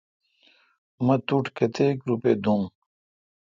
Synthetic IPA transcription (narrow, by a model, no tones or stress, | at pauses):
mɐt̪uʈkɐt̪ʰeːkɾuped̪um